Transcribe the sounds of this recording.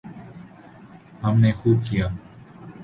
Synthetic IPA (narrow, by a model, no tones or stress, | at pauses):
həmneːxuːbkɪjaː